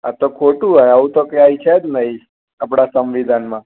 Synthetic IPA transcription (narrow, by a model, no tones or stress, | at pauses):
a̰t̪okʰoʈũɦajəũt̪okeait͡ʃʰed͡ʒ̪nəi | ap̬ɽasəmʋid̪ʱanmã